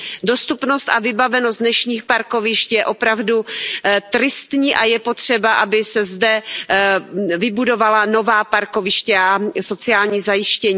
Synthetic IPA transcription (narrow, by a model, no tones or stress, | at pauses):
do̞st̪upno̞st̪ʔavɪbavɛnosd̪nɛʃɲiːxpaɾko̞vɪʃc̪jɛʔo̞pɾavdut̪ɾɪst̪ɲiːʔajɛpo̞t̪r̝̥ɛbaʔabɪsɛzdɛ | vɪbudo̞valano̞vaːpaɾkovɪʃcɛaso̞t͡sɪaːlɲiːzajɪʃcɛɲː